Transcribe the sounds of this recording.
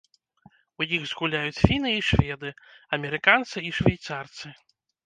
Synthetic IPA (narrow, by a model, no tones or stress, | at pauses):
ujiɣzɣulʲajut͡sʲfʲinɨiʂvʲɛd̪ɨɐmʲɛɾɨkant̪sɨiʂvʲajt̪sart̪sɨ